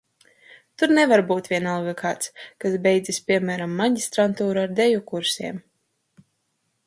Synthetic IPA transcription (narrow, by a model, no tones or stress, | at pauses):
t̪uɾnɛvaɾbuːt̪vʲiɛnalˠɡɨkʰaːt̪skasbʲɛjd̪zispʲiɛmæːɾamːaɟist̪ɾant̪uːɾuaɾd̪ɛjukuɾsiɛm